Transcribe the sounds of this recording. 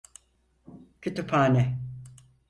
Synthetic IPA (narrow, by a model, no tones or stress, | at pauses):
cʰyt̪ypʰaːnɛ